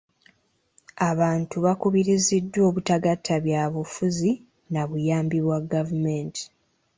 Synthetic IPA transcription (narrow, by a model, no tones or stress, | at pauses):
aβaːntuβakuβiɾizidːwo̞ːβutaɡatʰːaβjaːβufuzi | naβujaːmbiβwaɡavumenti̥